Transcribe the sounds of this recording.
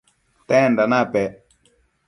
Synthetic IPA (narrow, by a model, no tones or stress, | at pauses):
t̪ɛnɖanapɛ